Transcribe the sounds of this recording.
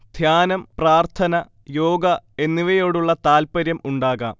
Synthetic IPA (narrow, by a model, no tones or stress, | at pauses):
d̪̥ʱjaːnɐmpraːrt̪ʰɐnɐ | joːɡɐe̞nːiʋɐjo̞ːɽuɭːɐt̪aːlpɐɾjɐmuɳɖaːɣa̰ːm